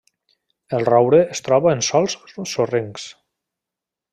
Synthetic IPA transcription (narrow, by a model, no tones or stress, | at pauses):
elˠrɔwɾeest̪ɾɔβaensɔlˠsːoreŋks